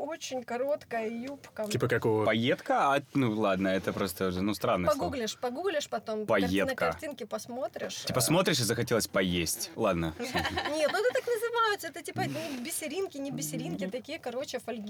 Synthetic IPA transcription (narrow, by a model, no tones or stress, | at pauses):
o̞t͡ɕɪnʲkɐɾo̞t̪kəjəjupkəipəkɐkovəpɐjet̪kəanulˠad̪nəɛt̪əpɾo̞st̪əʐnust̪ɾanːəpɐɡuɡlʲɪʂpɐɡuɡlʲɪʂpɐt̪o̞mpɐjetnəkəɐtʲinkʲɪpɐsmo̞t̪ɾʲɪ̰ʂʲipəsmo̞t̪ɾʲɪʂ̬ɪzəxɐtʲelˠəsʲpɐjesʲtʲlˠad̪nənʲet̪nʊɛt̪ət̪aknəzɨvajɪt̪səɛt̪ətʲipənʊbʲɪsʲɪɾʲinkʲɪnʲɪbʲɪsʲɪɾʲinkʲɪt̪ɐkʲijəkɐɾo̞t͡ɕɪfɐlʲɡʲ